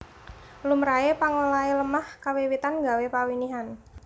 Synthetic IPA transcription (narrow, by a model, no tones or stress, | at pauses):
lumɾaepaŋolailəmahkawiwit̪anɡa̤wepawiniɦan